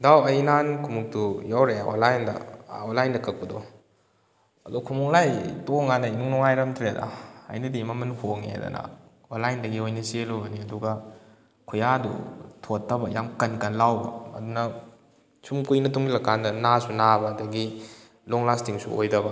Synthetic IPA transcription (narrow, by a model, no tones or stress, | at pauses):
dawɐjnankʰumuk̚tujawɾeao̰nlajndɐ̰onlajndɐkʰɐk̚pɐdo | ɐdukʰumuŋlajtoŋanɐinuŋnɔŋajɾɐmtʰɾedɐ̰ɐ̰jnɐdimɐmɐnhʰoŋḛdɐ̰nɐ̰ | onlajndɐɡiojnɐselobɐniɐduɡɐ | kʰujadṵtʰotːɐbɐjamkɐnkɐnlawbɐ̰ɐ̰dunɐ | sumkujnɐtuŋɡilɐkandɐnasunabɐdɐɡi | loŋlastʰiŋsṵojdɐbɐ